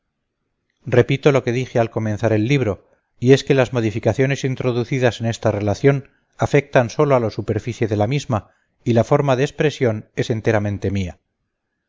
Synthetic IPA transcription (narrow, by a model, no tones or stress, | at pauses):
re̞pit̪o̞lo̞ke̞ðixealko̞menθaɾe̞lːiβ̞ɾo̞ | ie̞ske̞lazmo̞ðifikaθjo̞ne̞sint̪ɾo̞ðuθiðase̞ne̞st̪are̞laθjo̞n | afe̞k̚t̪anso̞loalosupe̞ɾfiθje̞ðe̞lamizma | ilafo̞ɾmaðeːspɾe̞sjo̞ne̞se̞nt̪e̞ɾamẽ̞nt̪e̞mia